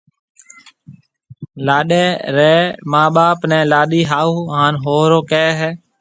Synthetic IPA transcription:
laːɗeːɾeːmaːɓaːpnɛ̃ːlaːɗiːɦaːuːɦaːnɦoːɾoːkɛːɦɛː

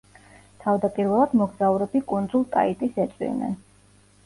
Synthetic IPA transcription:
t̪ʰavd̪apʼiɾvɛlˠad̪mɔɡzauɾɛbikʼund̪zulˠk̪ʼa̰it̪ʼisɛt̪sʼwḭnɛ̰

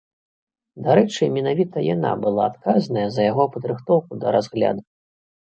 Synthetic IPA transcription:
d̪aɾɛt͡ʂɨmʲɛnavʲit̪ɐja̰na̰bɨlˠa̰ːt̪kaznɐjɐzɐjaɣɔpɐd̪ɾɨxt̪ɔwkud̪ɐ̰ɾazɣlʲa̰d̪u

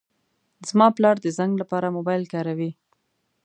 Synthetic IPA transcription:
zmɑplɑɾd̪əzaŋɡlapɑɾamobɑjlkɑɾawi

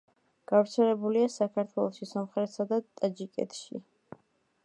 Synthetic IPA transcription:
ɡ̥avɾt̪sʰɛlɛbuliasakʰaɾt̪ʰwɛlˠɔʃisɔmχɾɛt̪sad̪at̪ʼad͡ʒikʼɛ̰t̪ʰʃḭ

